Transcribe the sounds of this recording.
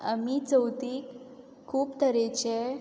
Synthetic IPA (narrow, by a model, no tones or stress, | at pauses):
amit͡səwt̪iːkʰː | uːpt̪ʰəɾet͡ɕe